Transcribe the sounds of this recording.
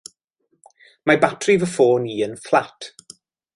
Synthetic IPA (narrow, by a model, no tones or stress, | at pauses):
mabatʰrivəfoːniːənflˠatʰ